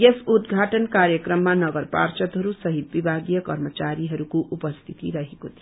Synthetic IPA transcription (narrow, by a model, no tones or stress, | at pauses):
jesud̪ɡʱaʈʌnkaɾjəkɾʌmːanʌɡʌɾpa̰rt͡ʃʌt̪ɦʌɾusʌɦit̪̚bibʱaɡijʌkʌɾmət͡ʃaɾiɦʌɾukoʔupʌst̪ʰit̪iɾʌɦekot̪ʰi